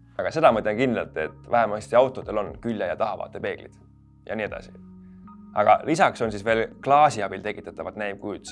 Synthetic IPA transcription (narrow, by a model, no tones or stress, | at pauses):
ɑɡ̥ɑse̞d̪ɑmɤt̪ʲːˑlekind̪lɑ̰lt̪ːˑe̞̰t̪ːˑvæɦemɑst̪iɑwt̪ːˑo̞d̪̥e̞lo̞nkylʲjɑjɑt̪ɑɦɑvɑ̰ːt̪ːˑe̞pe̞ːɡ̥lḭd̪̥ | jɑ̰niːe̞d̪ɑ̰sḭ | ɑɡ̥ɑ̰lisɑkso̞nsisve̞ːlklɑːsiɑb̥ilt̪e̞kːˑit̪ːˑɑt̪ːˑɑvɑt̪næjm̥̚kujd̪̥